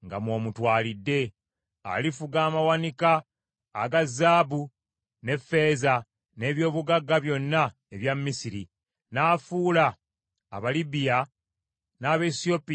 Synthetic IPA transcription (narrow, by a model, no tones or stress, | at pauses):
ŋɡamwo̞ːmutwaːlidːe̞ | a̰lifuɡaːmawanikaː | ɡazːaːbu | ne̞fːe̞za | ne̞ːβjo̞ːβuɡaɡːaβjo̞nːa | eβjamːisiɾi | naːfuːla̰ː | βalibija | naːβe̞sio̞pi